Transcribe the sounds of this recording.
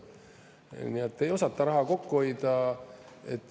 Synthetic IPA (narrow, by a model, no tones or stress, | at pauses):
niet̪ːe̞jo̞sɑt̪ːɑɾɑɦɑko̞kːuo̞jd̪̥ɑ | et̪ˑː